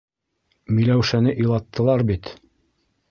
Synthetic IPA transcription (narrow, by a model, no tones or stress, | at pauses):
mĭlæwʃænɘʔĭjlˠɑt̪ːɤ̆lˠɑɾbit̪